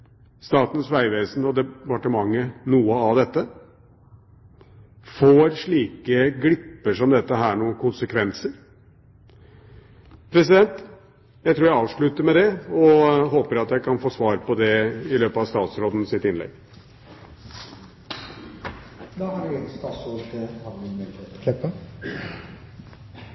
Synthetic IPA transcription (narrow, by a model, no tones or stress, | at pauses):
st̪ɑːt̪n̩sʋæɪʋeːsnɔd̪ɛpɑʈəmɑŋːənuːəɑʋd̪ɛt̪ːə | foːɾʂɭiːkəɡɽɪpːəʂɔmd̪ɛt̪ːəɦæːɳuːənkʰʊnsəkʰʋɛnsəɾ | pʰɾɛs̬ɪd̪ɛnt̪ | jæɪt̪ʰɾuːɾjæɪɑːʋʂɭʉt̪əɾmɛd̪ɛɔɦoːpəɾɑt̪jæɪkʰɑnfoːsʋɑːɾpɔd̪ɛɪløːpəɑʋst̪ɑːt̪sɾoːd̪n̩sɪt̪ɪnlɛ̰ɡ | d̪ɑːhɑɾɪɛt̪st̪ɑsoːʈəɑnɪmeet̪kʰlɛpːə